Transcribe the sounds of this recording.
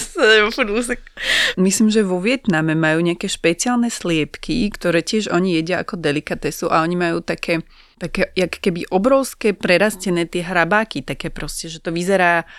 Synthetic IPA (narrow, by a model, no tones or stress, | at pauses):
sɛfnuːs̬ɛkmislimʒɛʋɔʋɪɛt̪namɛmajuːɲɛakɛːʃpɛt͡siaːlnɛslɪɛpkʰikt̪ɔɾɛːcɪɛʒɔɲijɛɟɪaʔakɔd̪ɛlikat̪ɛsuʔa̰ɔɲimajuːt̪akʰɛː | t̪akɛjakkɛbiʔɔbɾɔʊskɛpɾɛɾascɛnɛːt̪ɪɛɦɾabaːkit̪akɛːpɾɔscɛʒɛt̪ɔʋizɛɾaː